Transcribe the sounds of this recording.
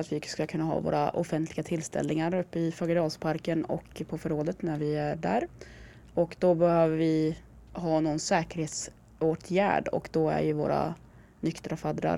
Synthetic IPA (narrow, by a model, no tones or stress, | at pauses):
at̪vɪskɵlːakʰɵnːaɦɑ̰ːvo̰ːɾaʔɔfɛnt̪ʰlɪɡat̪ʰɪlst̪ʰɛ̰lnɪŋaɾɵpːəɪfɑɡəɾɑːlspʰaɾkənɔ̰kpʰɔfœɾoːd̪ət̪næɾvɪæɖæ̰ːɾ | ɔkd̪ɔbɛhøːvəɾvɪ | ɦɑːnɔnsɛːkəɾheːt̪s | oːʈ̪ʰjæ̰ːɖɔ̰kd̪ɔæ̰ɾjɵvo̰ːɾa̰ | nʏkt̪ɾafad̪ɾa̰ɾ